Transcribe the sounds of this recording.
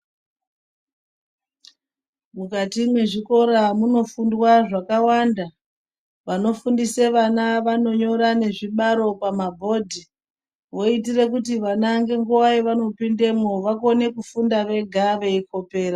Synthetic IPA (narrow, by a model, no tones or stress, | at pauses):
mukatimwe̞ʐiko̞ɾamuno̞fundwaʐakawanda | ʋano̞fundise̞ʋanaʋano̞ɲo̞ɾane̞ʐiɓaɾo̞pamabʱo̞dʱi | ʋo̞it̬ire̞kutiʋanaŋɡe̞ŋɡuwaiʋano̞pinde̞moʋako̞ne̞kufundaʋe̞ɡʱaʋe̞iko̞pe̞ːɾa